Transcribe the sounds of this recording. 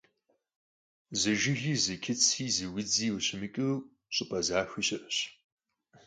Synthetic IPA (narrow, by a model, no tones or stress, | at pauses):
zɨʒɪɣiːzɨkʲʰɪt͡sʰiːzɨwɪd͡ziːwʊɕɪmɨkʼɨ | ɕʼʊpʼɐzaːxʷiːɕʼɪʔɕ